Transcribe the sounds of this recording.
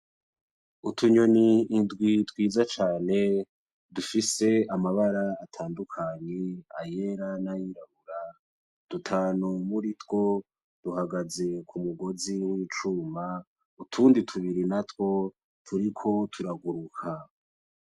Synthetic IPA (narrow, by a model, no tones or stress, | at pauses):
utʰuɲo̞niːndɡwitwiːzat͡ʃaːne̞ | dufise̞amaβaɾaːtʰaːndukʰaɲea̰je̞ɾanajiɾaβuɾa | d̥utʰaːnumuɾitwo̞ | d̥uɦaɡaze̞kʰumuɡo̞ziwiːt͡ʃuːma | utʰuːnditʰuβiɾinatwo̞ | tʰuɾikʰo̞tʰuɾaɡuɾukʰa